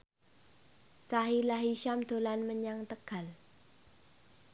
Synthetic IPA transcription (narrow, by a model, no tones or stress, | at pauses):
saɦilaɦiʃamd̪o̤lanməɲaŋt̪əɡ̥al